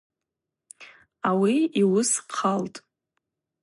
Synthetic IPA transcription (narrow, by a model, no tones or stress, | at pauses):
awiiwʊsqʰaltʼ